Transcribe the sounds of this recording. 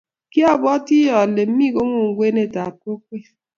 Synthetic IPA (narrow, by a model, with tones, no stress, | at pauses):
ki˦a˦˨bɔ˦ti˦ɔ˨le˨m̩˦mi˦ɡo˦ŋʷu˦˨ŋ̩˦ɡʷe˦ne˦˨ta˨ko˦k̚ʷe˦˨